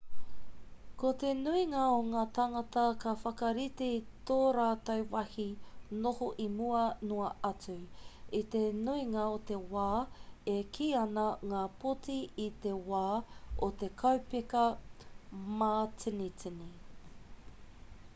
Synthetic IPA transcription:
kot̪enuiŋɐoŋaːt̪ɐŋɐt̪ɐkɐfɐkɐɾit̪eit̪oːɾaːt̪ɐwwɐhinohoʔimuɐnuɐʔɐt͡sʉit̪enuiŋɐot̪e̞waːekʰiːɐnɐŋaːpotiːt̪e̞waːot̪e̞kʰɐwpikɐ | maːt͡sinit͡sini

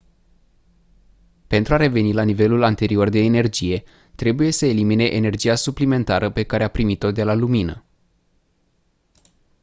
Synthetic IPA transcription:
pe̞nt̪ɾuaɾe̞ve̞nilanive̞lulant̪e̞ɾio̞rd̪e̞ːne̞rd͡ʒije̞ | t̪ɾe̞buje̞səelimine̞ʔene̞rd͡ʒijasuplime̞nt̪aɾəpe̞kaɾe̞apɾimit̪o̞d̪e̞laluminə

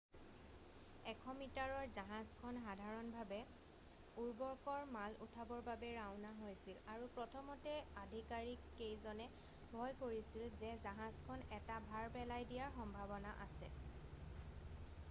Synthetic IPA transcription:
ɛkʰɔmitaɹɔɹzaɦazkʰɔnɦadʱaɹɔnbʱabɛ | uɹbɔɹkɔɹmalṵtʰabɔɹbabɛɹaʊnaɦojsilaɹupɹɔtʰɔmɔtɛadʱikaɹikːejzɔnɛ | bʱɔjkoɹisilzɛzaɦazkʰɔnɛtabʱaɹpɛlajdijaɹxɔmbʱabɔnaʔa̰sɛ̰

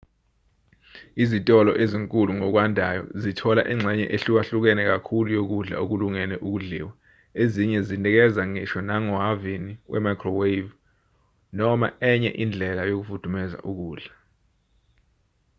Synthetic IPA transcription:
izitʼɔlɔʔeziŋkʼuluŋɔk̬wandʱajɔ̰zitʰɔla̰ʔiŋ͡ǀʱɛɲɛ̰ʔeɬuk̬aɬuk̬ɛnɛk̬akʰulujok̬uɮa̰ok̬uluŋɛnɛʔuk̬uɮḭːwa | eziɲɛzintʼɛk̬ɛzaŋɛʃɔnaŋɔɦaviniwʔɛ̰makʰrɔwev | nɔma̰ɛɲɛ̰ʔind͡ɮʱɛlajok̬ufud̥ʱumɛza̰ʔuk̬uːɮa

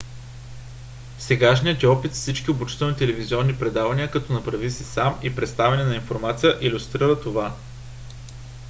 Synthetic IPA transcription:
sɛɡaʃnijət̪ʲɔpit̪fsit͡ʃkʲiobut͡ʃi̥t̪ɛlˠnit̪ɛlɛvizʲiɔnːipɾɛd̪avɐniəkɐt̪ɔnɐpɾɐvisisamipɾɛt̪st̪avɛnɛnɐinfoɾmat̪sijəʔilʲʊst̪ɾiɾət̪ova

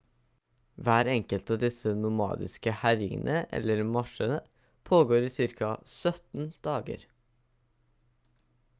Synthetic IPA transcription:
ʋæːɾɛŋkəlt̪ɑːd̪ɪsənʊmɑ̰ːd̪ɪ̰skəhæɾɪŋənʔəʔɛ̰lːəɾmɑʂənə | pʰoːɡoːɾiːsɪɾkɑsœt̪n̩d̪̥ɑːɡə̰ɾ

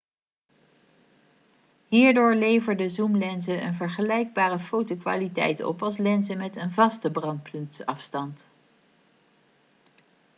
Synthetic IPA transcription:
ɦiːɹdʊːɹlejvəɹdəzumlɛnzəʔə̰nvəɹχəlɛjɡ̚baːrəfowtokʋa̰ːlitɛ̰jtɔ̰pɑlˠslɛnzəmɛtənvɑstəbrɑntpʰɵntɑfstɑnt

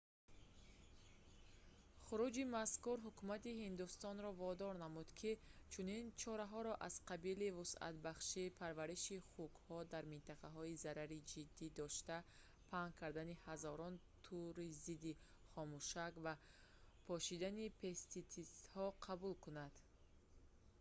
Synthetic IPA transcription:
χuɾud͡ʒimaskuɾɦukumat̪ihind̪ust̪ɔnɾɔvɔd̪ɔɾnamud̪kʰit͡ʃʰunint͡ʃʰɔɾaɦɔɾɔʔaz̥qabilivusa̰t̪baχʃiːpʰaɾvaɾiʃiχukhɔd̪aɾmint̪aqaɦɔizaɾaɾid͡ʒid̪ːid̪ɔʃt̪a | pʰaŋkʰaɾd̪anihazɔɾɔnt̪ʰuɾizid̪i | χɔmuʃakva | pʰɔʃid̪anipʰest̪it̪ist̪hɔqʰabulkunad̪̥

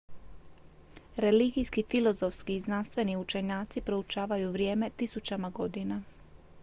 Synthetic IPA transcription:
ɾe̞liɡijskifilˠo̞zo̞fskiːznanst̪ʋe̞niut͡ʃe̞ɲaːt̪sipɾo̞ut͡ʃaːʋajuʋɾje̞ːme̞t̪isut͡ɕamaɡo̞d̪ina

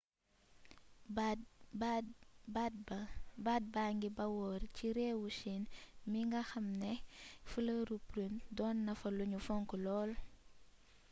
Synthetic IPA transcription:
bad̚bbad̚baːŋɡibɐwɔːɾciɾɛːwuʃinmiŋɡɐxɐmnɛfulɐɾupɾundɔːnːɐfɐluɲufɔŋkɔlɔːl

